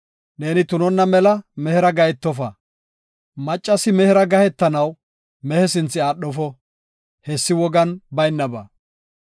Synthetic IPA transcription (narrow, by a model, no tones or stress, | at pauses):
neːnɪt̪ʊnɔnːɐmɛlɐmɛhɛɾɐɡɐjɛt̪ːɔfɐ | mɐt͡ʃʼːɐsɪmɛhɛɾɐɡɐhɛt̪ːɐnɐw | mɛhɛsɪnt͡sːɪaːɗɔfɔ | hɛsːɪwɔɡɐnbɐjnːɐbɐ̰